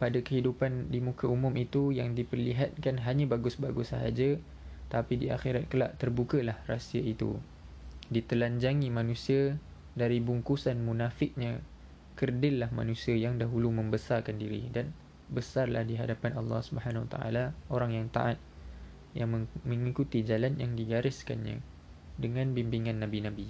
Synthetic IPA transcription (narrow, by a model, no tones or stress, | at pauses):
padakəɦidupandimũkaumʊ̃mit̪ujaŋdipərliɦat̪̚kanɦaɲabaɡʊsbaɡʊsaɦa̰d͡ʒa | t̪apidia̰xiɾat̪̚kəla̰ʔt̪ərbukəlahrasiait̪ṵ | dit̪əlaɲd͡ʒaŋimãnũsia | daɾibuŋkusanmunafɪk̚ɲã | kərdɪlːahma̰nũsiajaŋdaɦulumə̃mbəsarkandiɾḭdan | bəsarlahdiɦadapanɑlːɑ̰hsubəɦanawa̰t̪a̰ʔa̰laoɾaŋjaŋt̪a̰ʔat̪̚ | jaŋməməŋikut̪id͡ʒalanjaŋdiɡaɾɪska̰nɲã̰ | dəŋãnbimbiŋãnːãbinãbi